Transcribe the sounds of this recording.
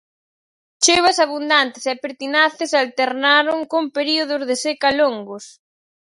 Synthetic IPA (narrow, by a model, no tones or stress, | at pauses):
t͡ʃeβɐsaβund̪ant̪ɪsɛpeɾt̪inaθɪsalt̪eɾnaɾʊŋkompeɾioð̞ʊzðɪsekaloŋɡos